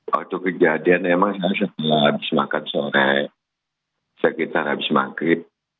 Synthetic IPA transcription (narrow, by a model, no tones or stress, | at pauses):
a̰tokəd͡ʒadianɛmaŋsas̬akalabisimakatsɔɾɛ | sakitaɾabisima̰ŋkɾit̚